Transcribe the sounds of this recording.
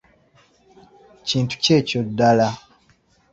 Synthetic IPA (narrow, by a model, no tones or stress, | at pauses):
ciːntu̥ce̞ːcodːala